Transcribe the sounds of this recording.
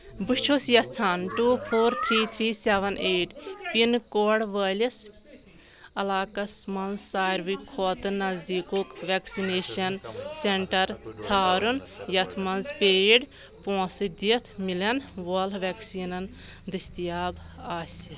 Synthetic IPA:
but͡ʃʰusjɐt̪ʰt͡sʰaːnʈuːpʰoːɾt̪ʰɾiːt̪ʰɾiːseʋɐnʔeːʈpinkoɽʋəːlʲɐs | ɐlaːkɐsmɐnzsaːjɾʋikʰːoːt̪ɨnːɐzd̪iːkokʋeksineːʃɐnseɳʈɐɾt͡sʰaːɾunjɐt̪ʰmɐnzpeːɖ | põːsɨd̪iɐt̪ʰmilɐnʋɐlʋeksiːnɐn | d̪ɐst̪ijaːbaːsʲ

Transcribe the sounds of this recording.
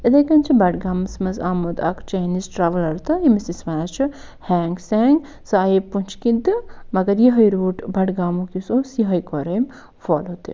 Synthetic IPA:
ed̪ɐjkɐnt͡ʃʰibɐʈɡaːmsmɐzaːmod̪a̰kt͡ʃenisʈɾaʋɐlɐɾt̪ɐimisismanat͡ʃʰuhɛːŋɡsɛːŋɡ | sɨajipːunt͡ʃʰkid̪ɨmɐɡɐɾjiɦɐjɾuːʈbɐʈɡaːmukisosiɦɐjkɔɾejm | fɔlot̪ḛ

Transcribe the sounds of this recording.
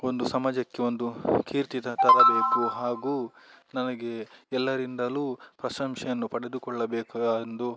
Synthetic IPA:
o̞nd̪usɐmɐd͡ʒɐkːe̞o̞nd̪ukʰiːɾt̪it̪ɐt̪ɐɾɐbeːkuɦaːɡuːnɐnɐɡe̞ɛlːɐɾind̪ɐluːpɾɐʃɐmʃɐjɐnːupɐɽed̪ukɔɭːɐbɛːkaaɐnd̪u

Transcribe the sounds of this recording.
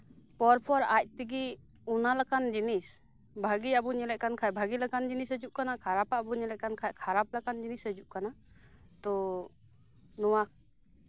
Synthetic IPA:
pɔɾpʰɔɾac̚t̪iɡi | unalakand͡ʒinis | bʱaɡiabuɲɛlɛʔ̚kankʰajbʱaɡilakand͡ʒinisəd͡ʒuʔkanakʰaɾapabuɲɛlɛʔ̚kankʰajkʰaɾap̚lakand͡ʒinisɦəd͡ʒuʔkana | t̪ɔ | nɔwa

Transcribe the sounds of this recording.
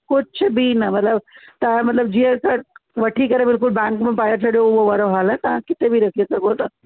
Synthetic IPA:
kʊt͡ʃʰbʱinɐmɐt̪ləbt̪ɐãmɐt̪ləb̚d͡ʑiːɦə̃kɐʋɐʈʰikɐɾebɪlkʊlbɛ̃ːŋkmẽpaːjəɾt͡ɕʰɐɽijoʊɦoʋaːɾoɦaːlɛt̪ɐʋ̤ãkɪt̪ebʱiɾɐkʰiesɐɡʱot̪ɐ

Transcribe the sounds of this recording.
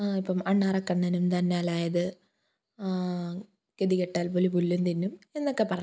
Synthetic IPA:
aipːɐmɐɳːaːrɐkːɐɳːɐnumt̪ɐnːaːlaːjɐðɨ | keðikeʈːaːlpolipulːunt̪inːume̞nːokːe̞pɐrɐ

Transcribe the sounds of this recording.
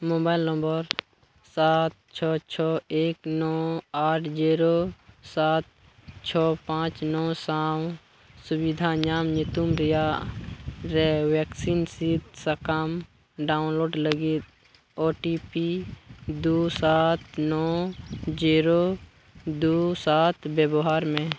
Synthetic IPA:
moːbaːɪlnə̃mbəɾ | saːt̪̚t͡ʃʰɔːt͡ʃʰɔːeːknɔaːʈʰd͡ʒiːɾosaːt̪̚ | t͡ʃʰɔːpãːt͡ʃnɔːsaw | subid̪ʱaɲaːmɲɪt̪umɾɪja | ɾewɛksinsit̪səkaːm | ɖaːʊnloːɖləɡit̪̚ | oːʈipid̪uːsaːt̪nɔːd͡ʒiːɾo | d̪uːsaːt̪ʰbjəbɦaːɾmẽ

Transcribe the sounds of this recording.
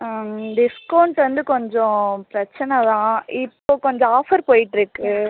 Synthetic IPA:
ɖɪskɐːɳʈʋɐnd̪ɯkɔɲd͡ʒɔ̃pɾɐt͡ʃːɐnɐd̪ãːɪpːoːkɔɲd͡ʒɔ̃aːfɐɾpoːjɪʈːɪɾɯkːɯ

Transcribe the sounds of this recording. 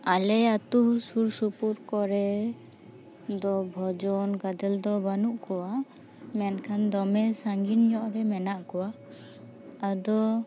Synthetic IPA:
alɛat̪uɦsuɾsupuɾkɔɾɛ | d̪ɔbʱɔd͡ʒɔnɡad̪ɛld̪ɔbanuʔkɔwa | mɛnkʰand̪ɔmɛsaŋɡinɲɔʔɾɛmɛnaʔkɔwaː | d̪ɔ

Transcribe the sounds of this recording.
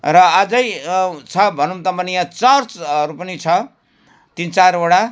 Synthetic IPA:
rʌad͡zʌjt͡sʰʌbʱʌnumt̪ʌmbʌnijãt͡sʌrt͡sʌɾupʌnit͡sʰʌ | t̪int͡saɾoɽa

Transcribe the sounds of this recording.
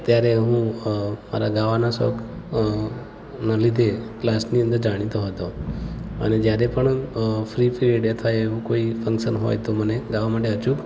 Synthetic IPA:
t̪jaɾeɦũma̰ɾaɡaʋanasɔ̰k | nalid̪ʱeklasniə̃nd̪əɾd͡ʒaɽ̃it̪oɦət̪o | ə̰ned͡ʒjaɾepəɳfɾifɾieɖet̪ʰajeʋũkoifʰə̃ŋkʃənɦo̰jt̪oməneɡaʋamaʈeət͡ʃub

